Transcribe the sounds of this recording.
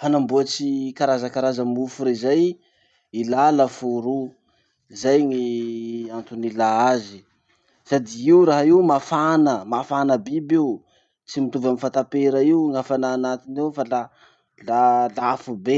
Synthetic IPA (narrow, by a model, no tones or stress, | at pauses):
fanambuat͡sikaɾazakaɾazəmufuɾezaj | ilalafuɾu | izajŋiant̪unilaazi | sad̪iiuɾaɦaiwmafanəmafanəbibiu | t͡simit̪uvamifat̪apeɾaiuŋafanaːnat̪inewfala | lalafube